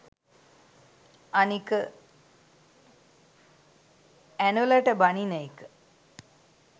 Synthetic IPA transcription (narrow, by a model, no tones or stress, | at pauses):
anikə | ænulɐʈəbɐninajikə